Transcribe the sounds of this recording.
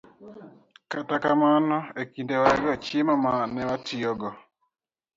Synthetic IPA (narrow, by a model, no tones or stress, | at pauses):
katakamanɔekindewaɛɡɔt͡ʃɪmamanɛwatʰɪɔɡɔ